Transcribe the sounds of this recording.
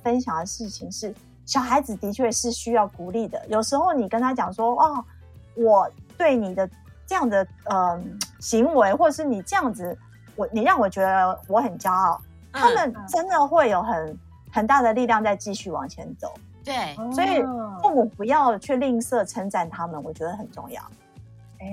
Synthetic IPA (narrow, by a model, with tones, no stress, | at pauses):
fə˥nɕjɑ˨˩ŋd̪ə˩ʂɻ̩˥˩t͡ɕʰi˨˩ŋʂɻ̩˥˩ | ɕjɑ˨˩ʊxa˧˥ɪd͡zɹ̩˨˩t̪i˧˥t͡ɕʰɥɛ˥˧ʂɻ̩˥˩ɕy˥jɑ˥˩ʊku˨˩li˥˩d̪ə̰˩jo˨˩ʊʂɻ̩˧˥xo˥˩ʊni˨˩kə˥nt̪ʰa˥t͡ɕjɑ˨˩ŋʂwɔ˥ɔ˥˩ | wɔ˨˩t̪we˥˩ɪni˨˩d̪ə˦ | ʈ͡ʂɤ˥˧jɑ˥˩ŋd̪ə˩ə˧˩ɕi˧˥ŋwe˧˥ɪxwɔ˥˧ə˩ʂɻ̩˥˩ni˨˩ʈ͡ʂɤ˥˧jɑ˥˩ŋd͡zɹ̩˨˩ | wɔ˨˩ni˨˩ɻɑ˥˩ŋwɔ˨˩t͡ɕɥɛ˧˥d̪ə˧wɔ˧˥xə˨˩nt͡ɕja˥ɑ˥˩ʊ | t̪ʰa˥mə˨nʈ͡ʂə˦˥nd̪ə˨xwe˥˩ɪjo˨˩ʊxə˨˩˦n | xə˨˩nt̪a˥˩d̪ə˩li˥˧ljɑ˥˧ŋt͡sa˥˧ɪt͡ɕi˥˧ɕy˥˩wɑ̰˨˩ŋt͡ɕʰjɛ̰˧˥nt͡so˨˩˦ʊ | eswɔ˧˥i˨˩o˥˩mu˨˩pu˧˥jɑ˥˧ʊt͡ɕʰɛ˥˧li˥˧ŋsɤ˥˩ʈ͡ʂʰə˧˥ŋʈ͡ʂa˨˩nt̪ʰa˥mə˨nwɔ̰˨˩t͡ɕɥɛ˧˥d̪ə˧xə̰˨˩nʈ͡ʂʊ̰˥˧ŋjɑ̰˥˩ʊ